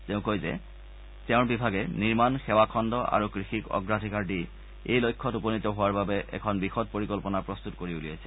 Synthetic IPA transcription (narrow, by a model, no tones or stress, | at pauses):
tɛʊ̃kojzɛ̰ | tɛʊ̃ɹbibʱaɡɛniɹmanxɛwakʰɔndɔʔa̰ɹukɹixikɔ̰ɡɹadʱikaɹdi | ejlojkʰːɔtuponit̪ɔɦowaɹbabɛʔɛ̰kʰɔnbixɔt̚poɹikɔlpɔnapɹɔst̪utkoɹiulijajsʰɛ̥